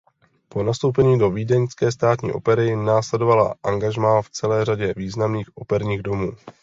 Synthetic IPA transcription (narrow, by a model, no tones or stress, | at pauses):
po̞nast̪o̞wpɛɲiːdo̞viːdɛɲskɛːst̪aːt̪ɲḭːʔo̞̰pɛɾɪnaːslɛdo̞vala̰ʔaŋɡaʒmaːft͡sɛlɛːr̝aɟɛviːznamniːxʔo̞pɛɾɲiːɣdo̞muː